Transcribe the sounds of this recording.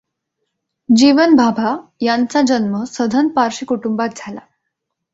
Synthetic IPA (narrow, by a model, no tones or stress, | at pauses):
d͡ʑiʋənbʱabʱajant͡sad͡ʑənməsəd̪ʱənpaɾɕikuʈumbat̪̚d͡zʱala